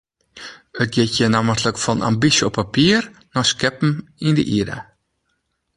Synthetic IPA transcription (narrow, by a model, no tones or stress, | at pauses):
ət̚ɡɪtjənaməsləkfɔnʔa̰mbisjəɔpʰːapiərnɔskɛpm̩ində̰ʔiɾa̰